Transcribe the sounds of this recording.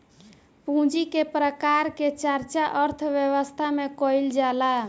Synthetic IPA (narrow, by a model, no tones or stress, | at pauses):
pũd͡ʒikepɾəkaɾket͡ʃaɾt͡ʃaʔəɾt̪ʰʋjewəst̪ʰamekɔild͡ʒala